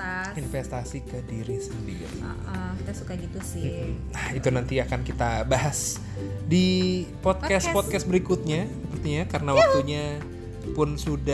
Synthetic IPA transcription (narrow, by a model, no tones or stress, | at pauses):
infest̪asikədiɾisəndiɡa̰ʔɔkit̪asukaɡit̪usɪ | ait̪unant̪iakankit̪abaɦas | dipɔt̪̚kɛspɔt̪̚kɛsbəɾikʊt̪̚ɲasəpərt̪iɲakaɾənawak̚t̪uɲa | pʊnsuda